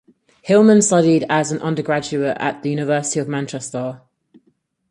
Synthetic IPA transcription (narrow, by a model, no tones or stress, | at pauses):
hɪlˠmə̃nstʌɾɪdəzə̃nʔʌ̰̃ndəɡɹad͡ʒʉətə̰ʔðəjʉːnɪvɜˑsɪ̥tiəvmãnt͡ʃɛstɔː